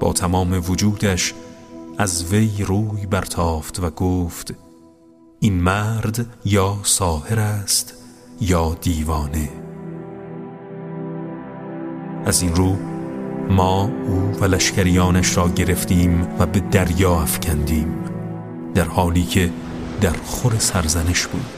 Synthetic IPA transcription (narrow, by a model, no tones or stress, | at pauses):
b̥ɒ̰ːt̪ʰæmɒːme̞vod͡ʒuːd̪æʃʔæzve̞jɾuːjbæɾt̪ʰɒːft̪væɡoːft̪ | ʔinmæɾd̪jɒːsɒːheɾæst̪ | jɒːd̪iːvɒːne̞ | ʔæzinɾuː | mɒːuːvælæʃcæɾijɒːnæʃɾɒːɟe̞ɾe̞ft̪iːmvæbe̞d̪æɾjɒːæfcʰænd̪iːm | d̪̥æɾhɒːliːcʰe̞ | d̪æɾχoɾesæɾzæne̞ʃb̥ṵːd̪̥